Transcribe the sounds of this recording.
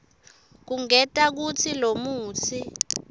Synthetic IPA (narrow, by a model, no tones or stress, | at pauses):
k̬uŋɛtʼak̬ut͡sʰilomuːt͡sʰi